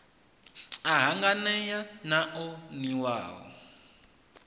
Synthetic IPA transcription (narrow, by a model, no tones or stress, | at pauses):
aɦaŋɡanɛjanaʔɔniwa̰ːwɔ̰